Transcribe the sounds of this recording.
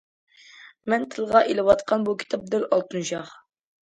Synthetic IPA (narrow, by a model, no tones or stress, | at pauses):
mɛnt̪ʰɨlˠʁɑʔelɪwɑt̪qʰɑnbukʲʰi̥t̪ʰɑp̚d̪ɨlɑlˠt̪ʰunʃɑχ